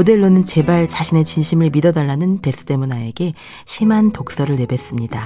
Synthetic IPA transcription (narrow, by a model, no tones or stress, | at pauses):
ode̞ɭːonɯnt͡ɕe̞baɭt͡ɕaɕʰine̞t͡ɕinɕʰimɯɭmidʌdaɭːanɯnte̞s͈ʰɯ̥t͈e̞munae̞ɡe̞ | ɕʰimantok̚s͈ʌɾɯɭne̞be̞s͈ɯmɲida